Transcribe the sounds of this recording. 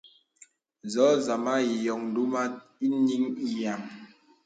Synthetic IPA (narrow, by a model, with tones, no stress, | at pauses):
zɔ˨˦za˨ma˦i˨jɔ˨ŋn˨du˦ma˦i˦ni˦ŋi˦ja˨ŋ